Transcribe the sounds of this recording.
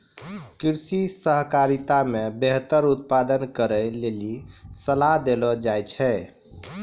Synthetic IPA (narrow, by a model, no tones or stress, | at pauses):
kiɾsisəɦkaɾit̪amebeɦt̪əɾut̪̚pad̪ənkəɾɛlelisəlaɦd̪elɔd͡ʒajt͡ʃʰɛ